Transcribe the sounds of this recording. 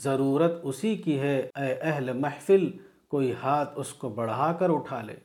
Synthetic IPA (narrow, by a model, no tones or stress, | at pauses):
zɐɾuːɾət̪ʊsikiɦɛɐʔɐɦlemɐħfɪl | koːihaːt̪ʰʊskobɐɽɦaːkɐɾʊʈʰaːlḛː